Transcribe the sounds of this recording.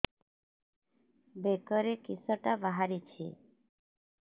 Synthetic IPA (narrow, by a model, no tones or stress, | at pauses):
bekəɾekisəʈabaɦaɾit͡ʃʰḛ